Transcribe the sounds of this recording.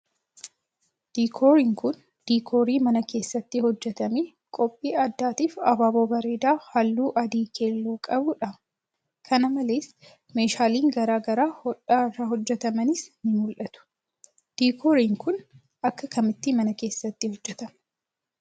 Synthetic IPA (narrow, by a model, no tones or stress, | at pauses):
d̪̥iːkʰoːɾɪŋkʊn | d̪̥iːkʰoːɾiːmɐnɐke̞ːsːɐt̪ːɪhɔd͡ʒːɛt̪ɐmeː | kʼɔpʼːiːɐd̪ːaːt̪iːfɐbaːboːbɐɾeːd̪aːhɐlːuːʔɐd̪iːkʰe̞ːlːoːkʼɐbʊᶑɐ | kʰɐnɐmɐle̞ːs | me̞ːʃaːliːŋɡɐɾaːɡɐɾaːhɔᶑaːrːaɦɔd͡ʒːɛt̪ɐmɐnɪsnɪmʊlʔɐt̪ʊ̥ | d̪̥iːkʰoːɾɪŋkʊn | ɐkːɐkɐmɪt̪ːɪmɐnɐke̞ːsːɐt̪ːɪhɔd͡ʒːɛt̪ɐm